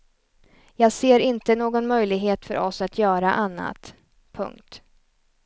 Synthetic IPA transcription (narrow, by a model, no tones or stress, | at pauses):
jɑːɡseːɾɪnt̪ənoːɡɔnmœjlɪɡɦeːt̪fœ̰ɾʔɔsat̪ʰjœːɾa̰ʔanːa̰t̪ | pʰɵ̰ŋk̚t̪